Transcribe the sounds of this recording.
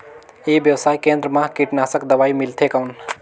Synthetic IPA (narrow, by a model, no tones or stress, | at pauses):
ibjəwsaːikẽnd̪ɾəmãkiʈnasəkd̪əbaimilt̪ʰekawn